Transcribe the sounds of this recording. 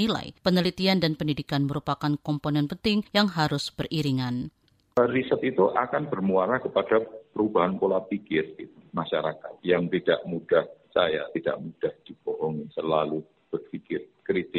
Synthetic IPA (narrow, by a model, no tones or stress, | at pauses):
ila̰jpənəlit̪iandanpəndidikanməɾupakankɔmponɛnpənt̪ɪŋjaŋɦaɾʊsb̥ərʔiɾiŋan | əɾisət̪it̪uʔa̰kanbərmuaɾahkəpad̥apəɾubaɦankolapikɪrit̪umaʃaɾakat̪̚jaŋt̪id̥a̰ʔmud̥ahsaja̰t̪id̥a̰ʔmud̥ahd̥ib̥oɦɔŋisəlalu | b̥ərfikɪrkɾit̪ɪ